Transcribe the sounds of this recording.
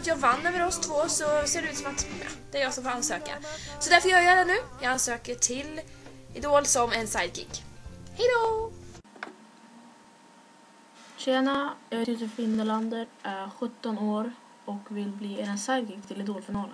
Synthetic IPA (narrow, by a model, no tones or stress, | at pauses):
t̪jɑːɡvanːəɾmɛːɾɔst̪ʰvoːsɔseːɖɛʉ̟ːt̪sɔmat̪jɑ̰d̪ɛæɾjɑɡsɔmfoːɾansøːka̰sɔd̪æɾfœɾjœːɾjœːd̪ɛnʉ̟ːjɑːɡansøːkəʈʰɪlɪd̪oːlsɔmɛnsajd̪̚ɡḭkhɛjd̪o | ɕeːnajɑt̪jʉsəfɪnd̪əɭand̪əɾʔæɾɧɵt̪ːɔnoːɾ | ɔkvɪlbliːeɾənsajd̪̚ɡɪkt̪ʰɪlɪd̪oːlfɪnɑːlə